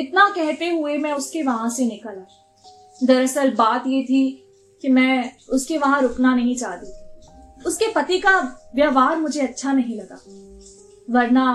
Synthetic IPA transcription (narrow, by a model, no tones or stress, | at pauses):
ɪt̪nakɛɦt̪eɦʊemɛ̃ːʊskeʋɐɦãsenɪkəlã | d̪ɐɾɐsəlbaːt̪jet̪ʰi | kimɛ̃ːʊskeʋɐɦãɾʊknanɐɦĩt͡ʃaːt̪iːʊskepɐt̪ikaʋjaːʋaːɾmʊd͡ʒʱeɐtːʃʰanɐɦĩlɐɡa̰ː | ʋɐɾna